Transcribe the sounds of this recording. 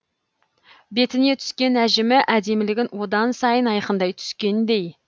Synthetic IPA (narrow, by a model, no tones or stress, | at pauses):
be̞t̪ɪne̞t̪ʰʏ̥skʲe̞næʒɪmɪʔæd̪e̞mɪlɪɡʲɪnwo̞d̪ɑnsɑjənɑjqənd̪ɑjt̪ʰʏ̥skʲe̞nd̪e̞j